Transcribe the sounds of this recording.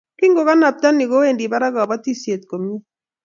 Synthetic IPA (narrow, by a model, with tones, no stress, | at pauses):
ki˦ŋɡo˨ka˦na˨p̚ta˦ni˨ko˦e˦˨ndi˨ba˦ɾa˦ɣa˨ba˦ti˦sje˨t̪̚ko˨mi˦